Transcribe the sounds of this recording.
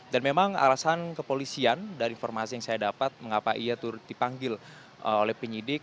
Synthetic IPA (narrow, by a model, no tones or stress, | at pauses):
danmemaŋa̰lasankəpolisiandaɾiinformasijaŋsajadapat̪̚məŋapaʔiat̪uɾʊt̪̚dipaŋɡɪl | əolɛhpəɲidɪk̚